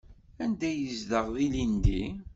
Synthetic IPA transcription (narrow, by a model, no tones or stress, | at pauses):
ænd̪æjəzd̪əʁðilind̪i